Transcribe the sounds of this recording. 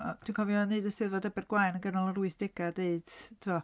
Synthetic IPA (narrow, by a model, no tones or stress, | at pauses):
d̥ʰwunkʰɔvjɔnɨːdəsɪðvɔdɛbɛrɡwajnəŋɡənɔlˠəruɨsd̥ɪɡ̥adeɨd̥tʰɪmɔ